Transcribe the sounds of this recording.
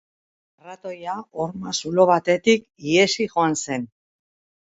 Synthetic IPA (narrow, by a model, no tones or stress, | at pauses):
rat̪o̞jaoɾmasulo̞β̞at̪e̞t̪ik | iesiʝo̞anse̞n